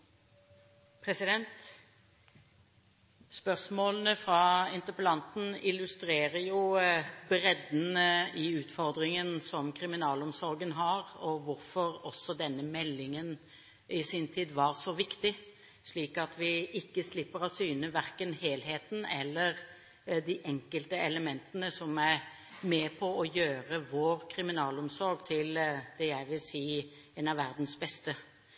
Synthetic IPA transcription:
pʰɾɛsɪd̪ɛnt̪ | spœʁsmoːln̩əfɾɑːɪnt̪əpəlɑnt̪n̩ɪlːʉst̪ɾeːɾəjʊbɾɛd̪n̩əɪʉːt̪fɔɾd̪ʁɪŋənsɔmkʰɾɪmɪnɑːlɔmsɔɾɡənɦɑɾɔʋʊɾfɔɾɔsːɔd̪ɛnːəmɛlːɪŋən | ɪsiːnt̪ʰiːd̪ʋɑɾsɔʋɪkt̪ɪ | ʂliːkɑt̪ʰʋɪɪkːəslɪpːəɾɔsyːnəʋæɾkənheːlɦeːt̪n̩ɛlːəɾ | d̪iʔɛŋkəlt̪əɛləmɛnt̪ənəsɔmæ | meːpʰɔɔjøːɾəʋoːɾkʰɾɪmɪnɑːlɔmsɔɾɡt̪ʰɪld̪̥ɛjæɪʋɪlsiː | ɛːnɑʋæɾd̪n̩sbɛst̪ə

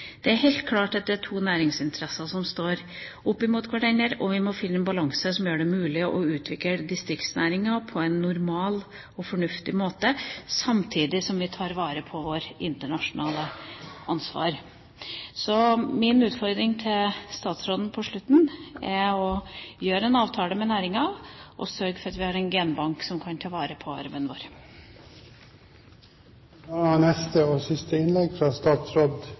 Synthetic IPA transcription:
d̪̥ɛæɾhɛɪlt̪kʰlɑːʈd̪ɛt̪ːæʈʰuːnæːɾɪŋsɪnt̪ʰəɾɛsɑsɔmst̪oːɾ | ʊpːɪmuːt̪kʰʋɑʈʰɛnəɾɔʋɪmɔfɪnːəɛnbɑlɑŋsəsɔmjøːɖɛmʉːlɪəʔɔʉːt̪ʰʋɪkəd̪ɪst̪ɾɪkt̪snæːɾɪŋɑpʰɔɛnːʊɾmɑːl | ɔfɔɳʉft̪ɪmoːt̪əsɑmt̪ʰiːd̪ɪsɔmʋɪt̪ʰɑːɾʋɑːɾəpʰɔʋoːɾɪnt̪əɳɑʂʊnʔɑːləʔɑnsʋɑ̰ːɾ | sɔmɪnʉːt̪fɔɾd̪ɾɪŋt̪ʰɪlst̪ɑːt̪sɾoːd̪n̩pʰɔʂɭʉt̪ːn̩ɛɔjøːɾəɛnɑːʋt̪ʰɑːləmɛnæːɾɪŋɑʔɔ̰sœɾɡfɔɾɑt̪ʋɪhɑɾɛnɡɛnbɑŋksɔmkʰɑnt̪ʰɑːʋɑːɾəpʰɔɑ̰ɾʋənʋo̰ːɾ | nɛst̪əɔsɪst̪əɪnlɛɡfɾɑːst̪ɑːt̪sɾod̪

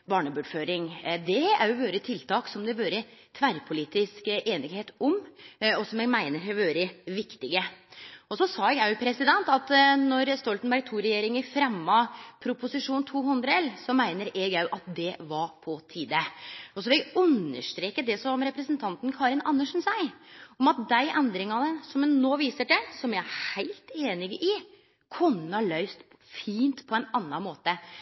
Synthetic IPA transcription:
bɑːɳəbʉːɖføːɾɪŋd̪ɛæ̰ɾjʊʋøːɾət̪ʰɪlt̪ʰɑːksɔmd̪ɛʋøːɾət̪ʰʋæɾpʰʊliːt̪ɪskʔeːnɪɡheːt̪ɔmɔsɔmɛɡmæɪnəɾɦæʋøːɾəʋɪkt̪ɪɡəɔsɔsɑːɛɡæjʊpʰɾɛsɪd̪ɛnt̪ɑt̪nɔɾst̪ɔlt̪nbæɾɡ̚t̪ʰuːɾɛjeːɾɪŋəfɾɛmːɑpʰɾʊpʊsɪʂuːnt̪ʰuːɦʉnd̪ɾəɛlːsɔmæɪnəɾʔɛɡæʉʔɑt̪̚d̪ɛʋɑpʰɔt̪ʰiːd̪əɔsɔʋɪʉnːə̰ʂt̪ɾeːkəd̪ɛsɔmɾɛpɾəsənt̪ʰɑnt̪n̩kʰɑːɾɪnɑnːəʂn̩sæɪɔmɑt̪̚d̪æɪʔɛnd̪ɾɪŋɑnəsɔmnoːʋiːsəɖɛsɔmɛæhæɪlt̪eːnɪɡəʔɪ | kʰʊnːəhɑlœʏst̪ʰ | fiːnt̪pʰɔɛnɑnːɑnmoːt̪ə

